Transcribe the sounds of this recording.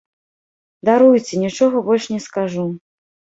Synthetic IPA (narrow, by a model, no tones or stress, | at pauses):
d̪aɾujt͡sʲɛnʲit͡ʂɔɣɐbɔlʲʂnʲɛskaʐu